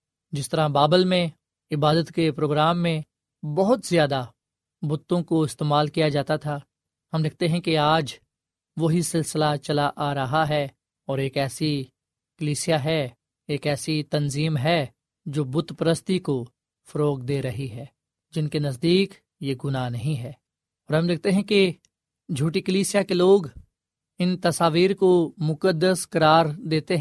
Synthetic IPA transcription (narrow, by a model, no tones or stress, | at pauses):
d͡ʒɪst̪əɾãbaːbəlmẽ | ɪbaːd̪ət̪kepɾoːɡɾaːmːẽ | bɐɦʊt̪zjaːd̪a | bʊt̪ːõkoɪst̪eːmaːlkijad͡ʒaːt̪at̪ʰaː | hɐmd̪ɪk̚ʰt̪eɦɛ̃keaːd͡ʒ | ʋoɦisɪlsɪlat͡ʃɐlaʔaːɾɐɦaɦɛː | ɔːɾeːkɛːsi | kəliːsijaɦɛ | eːkɛːsit̪ɐnziːmɦɛ | d͡ʒoːbʊt̪pəɾəst̪iko | fʰɐɾoːkd̪eːɾɐɦiɦɛː | d͡ʒɪnkenɐzd̪iːk | jeɡʊnaːnɐɦĩɦɛː | ɔːɾɦɐ̃md̪ɪk̚ʰt̪eɦɛ̃ke | d͡ʒʱuːʈikəliːsɪjakeloːɡ | ɪnt̪ɐsaːʋiːɾkomʊkəd̪ːəskɐɾaːɾd̪eːt̪eɦ